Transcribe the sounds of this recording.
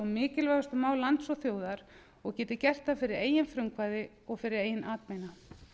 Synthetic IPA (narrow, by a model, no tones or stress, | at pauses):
amɪːcɪlvajast̪ʏmaːwlant̪sɔθjoːwðaɾ | ɔɣcɛːt̪ɪcɛr̥t̪afɪɾɪɾeːjɪnfɾʏŋkvaːjðɪ | ɔɣfɪɾɪɾeːjɪnʔaːt̪mejna